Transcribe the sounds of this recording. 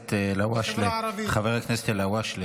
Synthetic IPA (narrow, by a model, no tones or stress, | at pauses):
t̪elawaʃleχaveʁeknese̥t̪elawaʃle